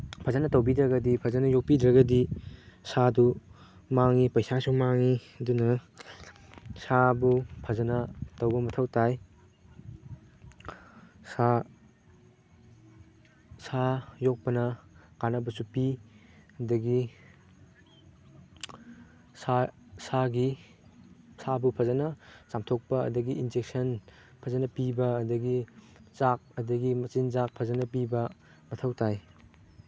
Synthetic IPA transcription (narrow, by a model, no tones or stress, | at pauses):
pʰɐzanɐtɐwbidɾɐɡɐdipʰɐzɐnɐjok̚pidɾɐɡɐdisadu | maŋipɐjsasuŋmaŋi | dunɐ | sabupʰɐzɐnɐtɐwbɐmɐtʰɐwtaj | sa | sajok̚pɐnɐkanɐbɐsupi | ɐdɐɡi | sa | saɡi | sabupʰɐzɐnɐsamtʰok̚pɐɐ̰dɐɡiʔind͡ʒek̚sɐn | pʰɐzɐnɐpibɐːdɐɡi | zak̚ɐdɐɡimɐt͡ʃinzak̚pʰɐzɐnɐp̬ibɐ | mɐtʰɐwtaj